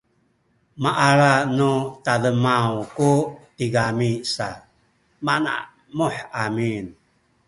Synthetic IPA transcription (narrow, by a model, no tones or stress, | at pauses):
maʔaɾanutaðəmawkutiɡamisa | mana̰ʔ | muħamin